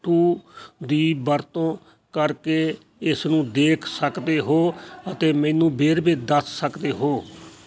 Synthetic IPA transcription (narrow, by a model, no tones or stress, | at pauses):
ʈuːd̪iːbəɾt̪õː | kəɾkeː | ɪsnũːd̪eːkʰsəkd̪eːɦoːət̪eːmɛ̃ːnũːbeːɾbeːd̪əsːəkd̪eːɦoː